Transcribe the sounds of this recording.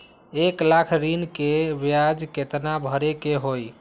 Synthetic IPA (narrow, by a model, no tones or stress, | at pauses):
eklakʰɾinkebjad͡ʒket̪nabʱəɾekeɦoj